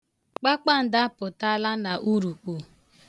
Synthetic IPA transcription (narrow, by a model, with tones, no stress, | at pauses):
k͡pa˦k͡pa˦˨n̩˨da˦pʊ˨ta˦la˦na˨ʔu˦ɾu˨k͡pu˨